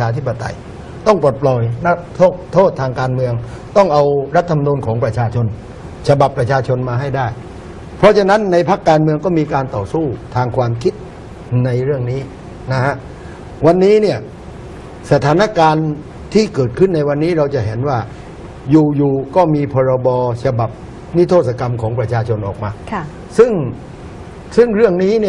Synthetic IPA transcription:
aː˧t̪ʰi˦˥pːa˧t̪a̰˧j | t̪ɔ˥˩ŋpo˨˩t̪̚pʰlɔː˨˩jna˦˥t̪ʰo˥˩t̪ʰːoː˥˩t̪ʰːaː˧ŋkaː˧nmɯ˧əŋt̪ɔ˥˩ŋʔa˧wɾa˦˥t̪ʰːa˧ma˧nuː˧nkʰɔː˩˦ŋpɾa˧t͡ɕʰaː˧t͡ɕʰo˧n | t͡ɕʰa˧ba˨˩pːɾa˧t͡ɕʰaː˧t͡ɕʰo˧nmaː˧ɦa˥˩jdaː˥˩j | pʰɔ˦˥t͡ɕʰa˧na˦˥nːa˧jpʰa˦˥kːaː˧nmɯ˧əŋkɔː˥˩miː˧kaː˧nt̪ɔː˨˩suː˥˩t̪ʰaː˧ŋkʰwaː˧mkʰi˦˥t̪̚ | na˧jɾɯ˥˩əŋniː˦˥ | na˦˥kʰha˦˥ʔ | wa˧nːiː˦˥ni˥˩ɐ | sa˧t̪ʰaː˩˦na˥kaː˧n | t̪ʰiː˥˩kɤː˨˩t̪̚kʰɯ˥˩nːa˧jwa˧nːiː˦˥ɾa˧wt͡ɕa˨˩ɦe˩˦nwaː˥˩ | juː˨˩juː˨˩kɔː˥˩miː˧pʰɔː˧ɾa˧bɔː˧t͡ɕʰa˧ba˨˩p̚ | ni˦˥t̪ʰoː˥˩t̪̚sa˧ka˧mkʰɔː˩˦ŋpɾa˧t͡ɕʰaː˧t͡ɕʰo˧nʔɔː˨˩k̚maː˧ | sɯ˥˩ŋ | sɯ˥˩ŋɾɯ˥˩əŋniː˦˥ni˥˩ə

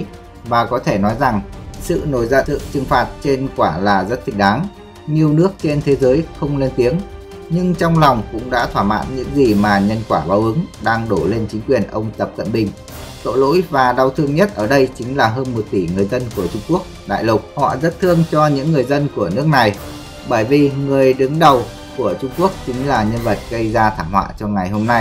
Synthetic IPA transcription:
vaː˨˩kɔ˨˦t̪ʰe˧˩nɔ˨˦jza˨˩ŋsɨ̰˧˨no˨˩jzaː˧ɨ̰˧˨t͡ɕɨ˨˩ŋfaː˨˩t̚t͡ɕe˧nkwaː˧˩laː˨˩zə˦˥t̚t̪ʰï˧˩k̟̚ɗaː˨˦ŋ | ɲi˨˩əwnɨ˦˥ək̚t͡ɕe˧nt̪ʰe˨˦zəː˨˦jxə˧wŋ͡mle˧nt̪i˨˦əŋ | ɲɨ˧ŋt͡ɕɔ˧wŋ͡mla˨˩wŋ͡mkʊ̰˧˥ŋ͡mɗa̰ː˧˥t̪ʰwaː˧˩ma̰ː˧˨nɲɨ̰˧˥ŋzi˨˩maː˨˩ɲə˧nkwaː˧˩ɓaː˨˦wʔɨ˨˦ŋɗaː˧ŋɗo˧˩le˧nt͡ɕï˨˦ŋ̟kwi˨˩ənʔə˧wŋ͡mt̪ə˨˩p̚kə̰˧˨nɓï˧˩ŋ̟ | t̪o̰˧˨lo̰˧˥jvaː˨˩ɗa˨˩wt̪ʰɨ˧əŋɲə˦˥t̚ʔəː˧˩ɗə˧jt͡ɕï˨˦ŋ̟laː˨˩ɦəː˧nmo˨˩t̚t̪i˧˩ŋɨ˨˩əjzə˧nku˧˩ət͡ɕʊ˧ŋ͡mku˦˥ək̚ɗa̰ː˧˨jlʊ˨˩k͡p̚hɔ̰˧˨zə˦˥t̚t̪ʰɨ˧əŋt͡ɕɔ˧ɲɨ̰˧˥ŋːɨ˨˩əjzə˧nku˧˩ənɨ˦˥ək̚na˨˩j | ɓəː˧˩jvi˨˩ŋɨ˨˩əjɗɨ˨˦ŋɗə˨˩w | ku˧˩ət͡ɕʊ˧ŋ͡mku˦˥ək̚t͡ɕï˨˦ŋ̟laː˨˩ɲə˧nvə˨˩t̚ɣə˧jzaː˧t̪ʰaː˧˩mhwa̰ː˧˨t͡ɕɔ˧ŋa˨˩jɦo˧mna˧j

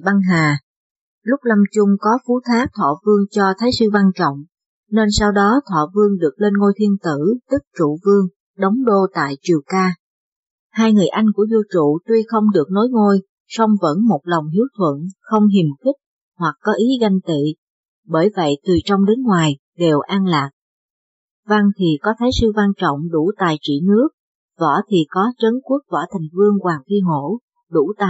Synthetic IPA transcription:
ɓa˧ŋɦaː˨˩ | lʊ˦˥k͡p̚la˧mt͡ɕʊ˧ŋ͡mkɔ˨˦fu˨˦t̪ʰaː˦˥k̚t̪ʰwaː˧˩vɨ˧əŋt͡ɕɔ˧t̪ʰaː˨˦jsɨ˧va˧nt͡ɕɔ̰˧˨wŋ͡m | ne˧nsaː˧wɗɔ˨˦t̪ʰwaː˧˩vɨ˧əŋɗɨ˨˩ək̚le˧nŋo˧jt̪ʰi˧ənt̪ɨ˧˩˨t̪ɨ˦˥k̚t͡ɕṵ˧˨vɨ˧əŋ | ɗə˨˦wŋ͡mɗo˧t̪a̰ː˧˨jt͡ɕi˨˩əwkaː˧ | haː˧jŋɨ˨˩əjʔa˧jŋ̟ku˧˩əzo˧t͡ɕṵ˧˨t̪wi˧xə˧wŋ͡mɗɨ˨˩ək̚no˨˦jŋo˧j | sɔ˧wŋ͡mvə̰˧˥nmo˨˩t̚la˨˩wŋ͡mhi˨˦əwt̪ʰwə̰˧˨nxə˧wŋ͡mɦi˨˩mxi˦˥k̚ | hwa˨˩k̚kːɔ˨˦ʔi˨˦ɣa˧jŋ̟t̪ḭ˧˨ | ɓəː˧˩jvə̰˧˨jt̪ɨ˨˩t͡ɕɔ˧wŋ͡mɗe˨˦nŋwaː˨˩j | ɗe˨˩wʔaː˧nlaː˨˩k̚ | va˧ŋt̪ʰi˨˩kɔ˨˦t̪ʰaː˨˦jsɨ˧va˧nt͡ɕɔ̰˧˨wŋ͡mɗu˧˩t̪a̰ː˧˨jt͡ɕḭ˧˩nɨ˦˥ək̚ | vɔ̰˧˩t̪ʰi˨˩kɔ˨˦t͡ɕə˨˦nku˦˥ək̚vɔ̰˧˩t̪ʰa˨˩ŋ̟vɨ˧əŋkwaː˨˩ŋfi˧ŋo˧˩ | ɗu˧˩t̪a̰ː˧˨

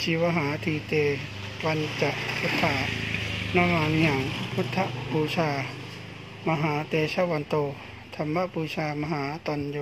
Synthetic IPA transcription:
t͡ɕʰiː˧˦wa˧ɦaː˨˦t̪ʰiː˧t̪eː˧ | wa˧nt͡ɕa˧ʔpʰu˦˥t̪ʰːaː˧nɔ˧˥maː˧ni˧ha˨˦ŋpʰu˦˥t̪ʰːa˧ʔpuː˧sʰaː˧ | ma˧ɦaː˨˦t̪eː˧sa˧˥wa˧˨nt̪oː˧ | t̪ʰa˧mba˧˨puː˧saː˧ma˧ɦaː˨˦t̪ɔ˧˨njo˧

